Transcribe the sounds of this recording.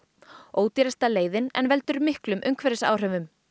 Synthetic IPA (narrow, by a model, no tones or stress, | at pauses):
oːwt̪iɾɛst̪aleːjðɪnɛ̰nvɛlt̪ʏɾmɪhklʏmʔʏŋkʰvɛɾɪsa̰ːwr̥ɛvʏm